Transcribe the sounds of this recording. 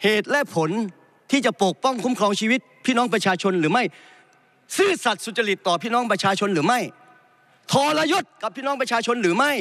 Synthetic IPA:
heː˨˩t̪̚lɛ˦˥pʰo˩˦n | t̪ʰiː˥˩t͡ɕa˨˩po˨˩k̚pɔ˥˩ŋkʰu˦˥mkʰɾɔː˧ŋt͡ɕʰiː˧wi˦˥t̪̚pʰiː˥˩nɔ˦˥ŋp̬ɾa˧t͡ɕʰaː˧t͡ɕʰo˧nɾɯː˩˦ma˥˩j | sɯː˥˩sa˨˩t̪̚su˨˩t̪̚t͡ɕa˧ɾi˨˩t̪ːɔː˨˩pʰiː˥˩nɔː˦˥ŋpɾa˧t͡ɕʰaː˧t͡ɕʰo˧nɾɯː˩˦ma˥˩j | t̪ʰɔː˧la˧jo˦˥˩t̪̚ka˨˩p̚ʰiː˥˩nɔː˦˥ŋpɾa˧t͡ɕʰaː˧t͡ɕʰo˧nɾɯː˩˦ma˥˩j

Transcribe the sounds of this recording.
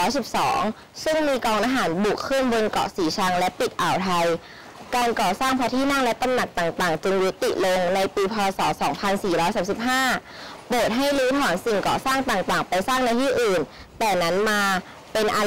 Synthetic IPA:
jsi˨˩p̚sɔ̰ː˩˦ŋ | sɯ˥˩ŋmiː˧kɔː˧ŋʔaː˧ɦaː˩˦nbu˨˩kʰːɯ˥˩nbo˧nkɔ̰˨˩ʔsiː˩˦t͡ɕʰa˧ŋlɛ˦˥ʔpi˨˩t̪̚ʔaː˨˩wt̪ʰa˧j | kaː˧nkɔː˨˩saː˥˩ŋpʰaː˧˥t̪ʰiː˥˩na˥˩ŋlɛ˦˥t̪a˧mna˨˩k̚t̪aː˨˩ŋt̪aː˨˩ŋt͡ɕɯ˧ŋju˦˥t̪ːḭ˨˩ʔlo˧ŋna˧jpiː˧pʰɔː˧sɔː˩˦sɔː˩˦ŋpʰa˧nsiː˨˩ɾɔː˦˥jsaː˩˦msi˨˩p̚ɦaː˥˩po˨˩t̪̚ɦa˥˩jluː˦˥t̪ʰɔː˩˦nsi˨˩ŋkɔː˨˩saː˥˩ŋt̪aː˨˩ŋt̪aː˨˩ŋpa˧jsaː˥˩ŋna˧jt̪ʰiː˥˩ʔɯː˨˩n | t̪ɛː˨˩na˦˥nmaː˧ | pe˧nʔa˧

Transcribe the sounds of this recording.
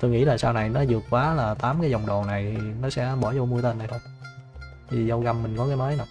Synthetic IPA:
t̪o˧jŋḭ˧˥laː˨˩saː˧wna˨˩jnɔ˨˦zɨ˨˩ək̚kwaː˨˦laː˨˩t̪aː˨˦mkaː˨˦jzɔ˨˩wŋ͡mɗo˨˩na˨˩jʰi˨˩nɔ˨˦sɛ̰˧˥ɓɔ˧˩zo˧mu˧ət̪e˧nɗa˧˩jt̪ʰo˧j | t̪ʰi˨˩zə˧wɣa˧mːï˨˩ŋ̟kɔ˨˦kaː˨˦jməː˨˦jna˨˩

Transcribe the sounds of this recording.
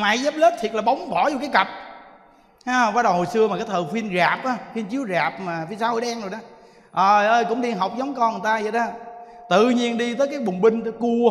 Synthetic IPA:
ma̰˧˨jzaː˦˥p̚le˦˥p̚t̪ʰi˨˩ət̚laː˨˩ɓa˨˦wŋ͡mɓɔ˧˩˦zkaː˨˦jkə˨˩p̚ | haː˧vaː˨˦ɗə˨˩who˨˩jsɨ˧əma˨˩kaː˨˦jt̪ʰəː˨˩xwi˧ənɣaː˨˩p̚ʔaː˨˦xwi˧nt͡ɕi˨˦əwzaː˨˩p̚maː˨˩fi˧saː˦ho̰˧˩˦jɗɛ˧ŋzo˨˩jɗɔ˨˦ | ʔəː˨˩ʔəː˧jkʊ̰˧˥ŋ͡mɗi˧ɦa˨˩wk͡p̚zɔ˨˦wŋ͡mkɔ˧˨˩t̪aː˧zə˨˩ɗaː˨˧˩ | t̪ɨ̰˧˨ɲi˧ənɗi˧t̪əː˨˦jkaː˨˦jɓʊ˨˩ŋ͡mɓï˧ŋ̟˨˦ku˧ə

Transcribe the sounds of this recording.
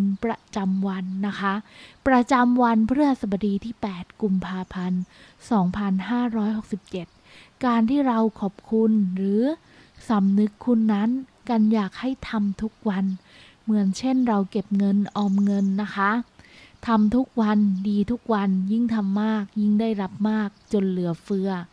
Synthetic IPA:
npɾa˧t͡ɕa˧mwa˧nːa˦˥kʰa˦˥pɾa˧t͡ɕa˧mwa˧npʰɾɯ˥˩ɐsa˨˩ba˧diː˧t̪ʰiː˥˩pɛː˨˩t̪̚ku˧mpʰaː˧pʰa˧n | sɔː˩˦ŋpʰa˧nɦaː˥˩ɾɔː˦˥jho˨˩k̚si˨˩p̚t͡ɕe˨˩t̪̚ | kaː˧nt̪ʰiː˥˩ɾa˧wkʰɔː˨˩p̚kʰu˧nɾɯː˩˦ | sa˩˦mnɯ˦˥kʰːu˧nːa˦˥n | ka˧njaː˨˩k̚ha˥˩jt̪ʰa˧mt̪ʰu˦˥k̚wa˧n | mɯ˩˦ənt͡ɕʰe˥˩nɾa˧wke˨˩p̚ŋɤ˧nʔɔː˧mŋɤ˧nːa˦˥kʰa˦˥t̪ʰa˧mt̪ʰu˦˥k̚wa˧ndiː˧t̪ʰu˦˥k̚wa˧nji˥˩ŋt̪ʰa˧mːaː˥˩k̚ji˥˩ŋdaː˥˩jɾa˦˥p̚maː˥˩k̚t͡ɕo˧nlɯ˨˩˦ɐfɯ˦˥ɐ

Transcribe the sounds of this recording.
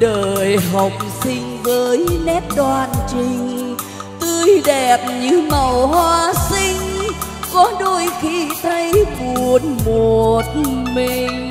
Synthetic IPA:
ɗəː˨˩jɦə˨˩wk͡p̚sï˧ŋ̟vəː˨˦jnɛ˦˥t̚ɗwaː˧˩nt͡ɕï˧ŋ̟ | t̪ɨ˧əjɗɛ˨˩p̚ɲɨ˧˥ma˨˩whwaː˧si˧ŋ̟kɔ˨˦ɗo˧˩jxi˧t̪ʰə˧jku˨˩˨ən̚mo˨˩t̚mi˨˩ŋ̟

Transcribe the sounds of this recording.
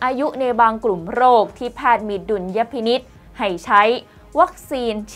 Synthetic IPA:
ʔaː˧ju˦˥ʔna˧jbaː˧ŋklu˨˩mɾoː˥˩k̚t̪ʰiː˧˩pʰaː˥˩t̪̚mi˨˩t̪̚du˨˩nja˦˥pʰi˧ni˦˥t̪̚ | ha˨˩jt͡ɕʰa˦˥j | wa˦˥k̚siː˧nt͡ɕʰ

